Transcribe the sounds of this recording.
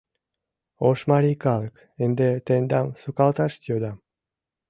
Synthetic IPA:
oʃmɑɾikɑlək | end̪et̪end̪ɑmsukɑlt̪ɑʃt̪jod̪ɑm

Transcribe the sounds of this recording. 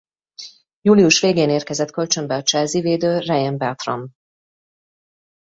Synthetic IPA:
juːliuʃveːɡeːneːrkɛzɛt̪kø̞lt͡ʃø̞mbɛɒt͡ʃɛlziveːd̪øːrɛjɛmbɛt̪ro̰m

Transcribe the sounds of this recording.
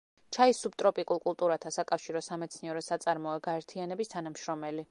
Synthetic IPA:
t͡ʃʰaisub̚t̪ʼɾɔpʼikʼulˠkʼulˠt̪ʼuɾat̪ʰasakʼafʃiɾɔsamɛt̪sʰniɛɾɔsat̪sʼaɾmɔɛɡaɛɾt̪ʰianɛbist̪ʰanamʃɾɔmɛli

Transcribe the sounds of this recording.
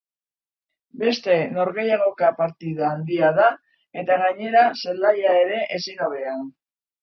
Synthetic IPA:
be̞st̪e̞no̞ɾɣe̞jaɣo̞kapaɾt̪iðaːnd̪iaða | e̞t̪aɣaɲe̞ɾaselaʎae̞ɾe̞ʔesinoβean

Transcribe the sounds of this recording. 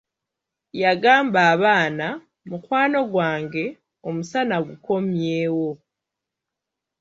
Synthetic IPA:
jaɡaːmbaːβaːna | mukwaːno̞ɡwaːŋɡe̞ | o̞musanaɡuko̞mjeːwo̞

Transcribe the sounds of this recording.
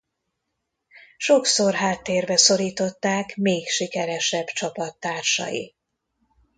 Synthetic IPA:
ʃo̞kso̞rɦaːt̪ːeːrbɛso̞ɾiːt̪o̞t̪ːaːkmeːkʃikɛɾɛʃɛbt͡ʃɒpɒt̪ːaːrʃɒ̰jḭ

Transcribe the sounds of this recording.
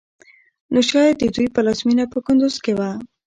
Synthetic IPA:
noʃɑjad̪̚ːəd̪ujpəlazminapəkʊnd̪ʊzkewa

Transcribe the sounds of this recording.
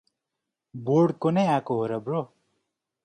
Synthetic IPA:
borɖkonʌjakoɦoɾʌbro

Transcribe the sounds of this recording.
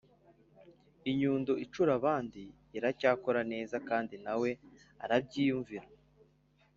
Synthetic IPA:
iɲuːndoʔit͡ʃuɾaβaːndiː | ɾacaːko̞ɾane̞ːzakaːndinawe̞ | a̰ɾab̚ɟiːjuɱviɾa

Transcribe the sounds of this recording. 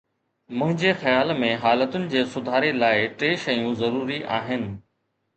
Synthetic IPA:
mʊ̃ɦɪ̃ɲd͡ʑeːxɐjaːlmẽɦaːlət̪ʊnɪ̆d͡ʑeːsʊd̪ʱaːɾelaːɪʈeːʃɐjũzɐɾuːɾiʔaːɦɪnɪ̆

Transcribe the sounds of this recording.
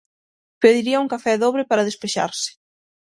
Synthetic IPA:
peðiɾiɐuŋkafɛðoβɾɪpaɾɐðespeʃa̰ɾsɪ̥

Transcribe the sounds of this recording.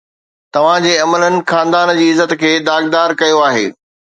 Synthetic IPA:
t̪ɐʋ̤ãd͡ʑeːɐmələnɪ̆xaːnd̪aːnd͡ʑiːɪzət̪kʰeːd̪aːɡ̚d̪aːɾkɐjoaːɦḛː

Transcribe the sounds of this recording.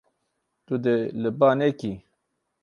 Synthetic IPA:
t̪ud̪eləbaneki

